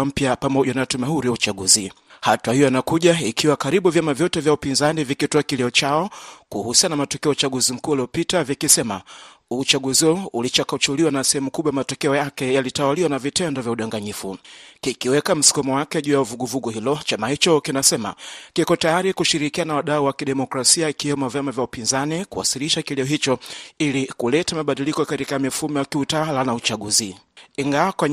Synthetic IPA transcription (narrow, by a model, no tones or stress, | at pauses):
m̩pjapamɔʄanatumahuɾiwaut͡ʃaɠuzi | hatwahijɔjanakuʄaikʰiwakaɾiɓuvjamavjɔtɛvjaupinzanivikitɔakilɛɔt͡ʃaɔkuhusianamatɔkɛɔt͡ʃaɠuzim̩kualiɔpitavikisɛma̰ | ut͡ʃaɠuziɔulit͡ʃakat͡ʃuliwanasɛhɛmukuɓwajamatɔkɛɔjakɛjalitawaliwanavitɛndɔvjauɗaŋɡaɲifukikiwɛkam̩si̥kɔmɔwakɛʄujauvuɡuvuɡɔhilɔt͡ʃamahit͡ʃɔkinasɛma̰kikɔtajaɾikuʃiɾikianawaɗauwakiɗɛmɔkɾasiaikiwɛmɔvjamavjaupinzanikuwa̰siliʃakilɛɔɦit͡ʃɔilikulɛtamaɓaɗilikɔkatikamifumɔjakiutalanaut͡ʃaɠuziiŋɡawakwa